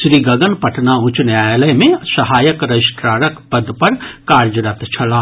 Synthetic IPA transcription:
ʃɾiɡɐɡənpɐʈʰnaʊ̃t͡ʃnjaːjləmẽsɐɦaːjəkɾɐɪsʈɾaːɾəkpɐd̪pɐɾkaːɾd͡ʒəɾat̪t͡ʃʰɐlaː

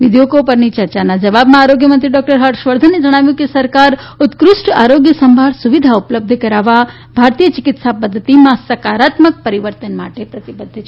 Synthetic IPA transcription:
ʋid̪ʱjoɡopəɾnit͡ʃəɾt͡ʃanad͡ʒəʋabmãaɾoɡjəmənt̪ɾiɖɔk̚ʈəɾɦəʈʃʋəɾd̪ʱənːed͡ʒəɽ̃aʋjũkesəɾkaɾ | ʊt̪kɾʊʃʈa̰ɾoɡjəsəmbʱaɭsuʋid̪ʱaupləb̚d̪ʱəkəɾaʋa | bʱaɾt̪ijət͡ʃɪkɪt̪sapəd̪ʱːət̪imãsəkaɾat̪mək̚pəɾiʋəɾt̪ənma̰ʈepɾɐt̪ibəd̪ʱːt͡ʃʰ

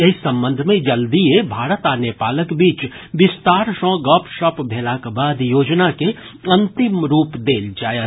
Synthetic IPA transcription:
ɪsːɐ̃mbə̃nd̪ʱmẽd͡ʒəld̪iebʱaːɾət̪aːnjepaːləkbiːt͡ʃ | ʋɪst̪aːɾʃɔ̃ːɡɔːpʃəpbʱeːlakbaːd̪joːd͡ʒnake | ɐ̃nt̪ɪmɾuːpd̪eːld͡ʒaːja

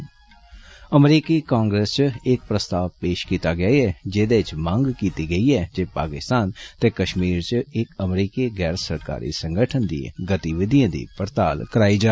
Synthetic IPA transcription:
əmɾiːkiːkãːŋɡɾeːst͡ʃɪk̚pɾəst̪aːʋpeːʃkiːt̪aːɡɪaːiɛːd͡ʒeːd̪et͡ʃmãŋɡkiːt̪iːɡəiːɛːd͡ʒeːpa̰ːkɪst̪aːnt̪eːkəʃmiːɾt͡ʃɪkəmɾiːkeːɡɛːɾsəɾka̰ːɾḭːsə̃ŋɡəʈʰənd̪ḭ̃ḛ̃ɡət̪iʋɪd̪ʱijãːd̪ḭːpəɾt̪aːlkəɾaːid͡ʒaː

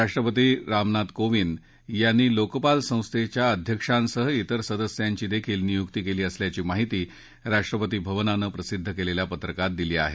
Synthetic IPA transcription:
ɾaʂʈɾəpət̪iːɾamnat̪koʋin | janːiːlokpalsə̃w̃st̪ʰet͡ɕjaəd̪ʱjəkʂansəɦəit̪əɾsəd̪əsjaɲt͡ɕiːd̪ekʰiːlnijukt̪iːkeliːəsljat͡ɕiːmaɦit̪iː | ɾaʂʈɾəpət̪iːbʱəʋnanəːpɾəsid̪ʱːəkeleljapət̪ɾəkat̪̚d̪iliːa̰ɦḛ

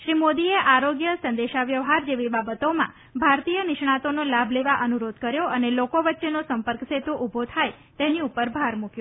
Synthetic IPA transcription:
ʃɾimod̪ieʔaɾoɡjəsə̃nd̪eʃaʋjəʋɦaɾd͡ʒeʋibabət̪omã̰ | bʱaɾt̪ijənɪʃɳ̃at̪onolabʱleʋaʔənuɾod̪ʱkəɾjoʔənelokoʋətːʃenosəmpəɾkset̪oʔubʱot̪ʰaj | t̪eniupəɾbʱaɾmukjo

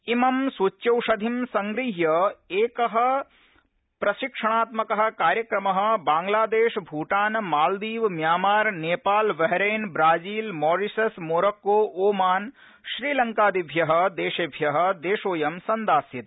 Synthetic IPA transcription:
imɐmsut͡ʃːɐwʂɐd̪ʱimsɐŋɡɾiɦjɐeːkɐɦɐ̆ | pɾɐʃikʂɐɳaːt̪mɐkɐɦɐ̆kaːɾjɐkɾɐmɐɦɐ̆baːŋɡlaːd̪eːʃbʱuːʈaːnmaːld̪iːʋmjaːmaːɾneːpaːlʋɐɦɾeːnbɾaːd͡ʒiːlmɔːɾisɐsmoːɾɐkːoːʔoːmaːn | ʃɾiːlɐŋkaːd̪ibʱjɐɦɐ̆d̪eːʃebʱjɐɦɐ̆d̪eːʃoːjɐmsɐnd̪aːsjit̪̚

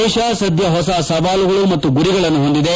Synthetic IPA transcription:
ʃaːsɐd̪ʱjɐɦɔsasɐʋaːluɡɐɭumɐt̪ːuɡuɾiɡɐɭɐnːuɦo̞nd̪id̪e

